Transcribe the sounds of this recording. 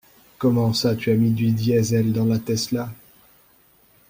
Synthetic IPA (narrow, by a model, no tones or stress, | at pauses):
kɔmɑ̃sat̪yamid̪ɥid̪jɛzɛld̪ɑ̃lat̪ɛsla